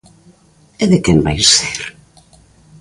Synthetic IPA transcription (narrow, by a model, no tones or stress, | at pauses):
ɛðɪkɛmbajseɾ